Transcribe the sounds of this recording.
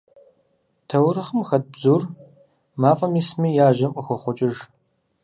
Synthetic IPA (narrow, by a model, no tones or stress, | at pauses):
tʰɐwɾɐχəmxɐt̚bzur | maːfʼɐmismijaːʒɐmʔʼəxɐχʷʊt͡ʃʼɪʒ